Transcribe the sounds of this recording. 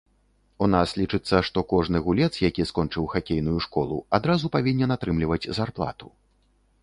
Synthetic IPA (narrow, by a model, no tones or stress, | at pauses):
un̪aslʲit͡ʂɨt̪sːɐʂt̪ɔkɔʐnɨɣulʲɛt̪sjakʲiskɔnt͡ʂɨwxakʲejn̪ujuʂkɔlˠṵad̪ɾazupavʲinʲːɛnat̪ɾɨmlʲivɐd͡zʲzarplˠa̰t̪u̥